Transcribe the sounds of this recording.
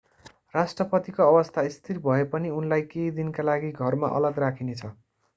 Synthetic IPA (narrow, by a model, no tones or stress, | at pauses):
rasʈrʌpʌt̪ikoʌbʌst̪ʰaist̪ʰirbʱʌepʌniunlajkejd̪inkalaɡiɡʱʌrma̰ʔʌ̰lʌɡrakʰinet͡sʰʌ